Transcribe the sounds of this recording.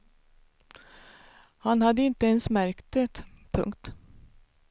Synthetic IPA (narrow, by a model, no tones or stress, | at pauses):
hanhad̪ːəɪnt̪əɛnsmæɾkt̪ət̪pʰɵ̰ŋkt̪